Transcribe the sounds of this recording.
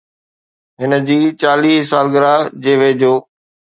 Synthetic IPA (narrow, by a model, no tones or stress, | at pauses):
ɦɪnəd͡ʑiːt͡ɕaːliːɦsaːlɡəɾaːd͡ʑeːʋeːd͡ʑoː